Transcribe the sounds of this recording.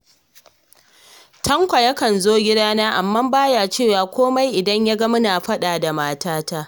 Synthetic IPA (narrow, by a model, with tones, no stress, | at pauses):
tʰɐ˦ŋkʷa˨jɐ˦kɐ˨nzoː˦ɡʲɪ˦daː˦naː˦ʔa˨mːɐ˦mbaː˦jaː˨t͡ʃeː˦˨waː˨kʷoː˦ma˦jʔɪ˨dɐ˦ɲja˦ɡɐ˦mʊ˦naː˨ɸɐ˦ɗaː˨da˨maː˦taː˦taː˦